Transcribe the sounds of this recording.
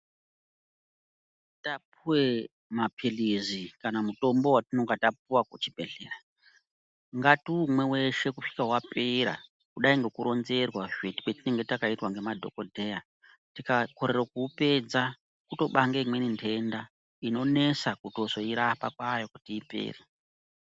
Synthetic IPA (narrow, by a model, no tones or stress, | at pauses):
tap̚uwe | mapʰilizikanamuto̞mbo̞watinoŋɡatap̚uwakut͡ʃibʱe̞ɮe̞̰ːra | ŋɡatiumwe̞we̞ʃe̞kufi̥kaɦwapeɾa̰ | kuɗaiŋɡe̞kuɾo̞nze̞rwaʐeti̥wetine̞ŋɡe̞takaitwaŋɡe̞madʱo̞̰ko̞dʱeja | tikako̞ɾerokuːpe̞d͡za | kuto̞ɓaŋɡeimwe̞nintʰe̞nda | ino̞ne̞sakuto̞zo̞iɾapa̰kwajo̞kutiːpe̞̰ːri